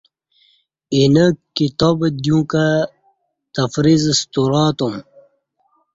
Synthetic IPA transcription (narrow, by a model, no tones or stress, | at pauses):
inəkːit̪obd̪jũːkɐ | t̪ɐfɾizst̪uɾaːt̪um